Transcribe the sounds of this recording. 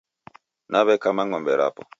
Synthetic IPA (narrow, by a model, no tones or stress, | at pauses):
naβɛkamaŋɔmbɛɾa̰pɔ̰